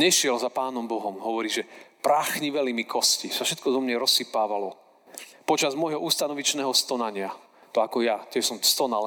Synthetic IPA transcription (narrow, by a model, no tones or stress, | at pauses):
ɲɛʃɪɛlzapaːnɔmbɔɦɔmɦɔʋɔɾiːʒɛpɾaːxɲiʋɛlimikʰɔscisafʃɛt̪̚kɔzɔmɲɛɾɔsːipaːʋalɔ | pɔt͡ʃazmɔjɦɔuːst̪anɔʋit͡ʃnɛːɦɔst̪ɔnaɲɪa | t̪ɔakɔjac̪ɛsɔmst̪ɔnal